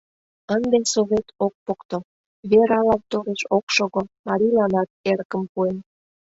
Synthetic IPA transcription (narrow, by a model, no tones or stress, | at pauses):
ənd̪ensoβet̪ok̚pokt̪o | βeɾɑlɑnt̪oɾeʃokʃoɣomɑɾʲilɑnɑt̪̚eɾkə̆mpuen